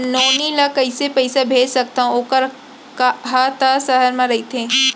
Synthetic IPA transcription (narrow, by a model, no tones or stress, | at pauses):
noːnilakɐɪsepɐɪsabʱeːd͡ʒsɐk̚t̪aɦũoːkəɾ | kɦat̪asɐɦəɾmãɾɐɦit̪ʰẽː